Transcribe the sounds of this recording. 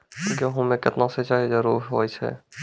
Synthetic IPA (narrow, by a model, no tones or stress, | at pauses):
ɡəɦõmẽkɪt̪nãset͡ʃaːɦezəɾuːɾɦoːjt͡ʃʰɛ̰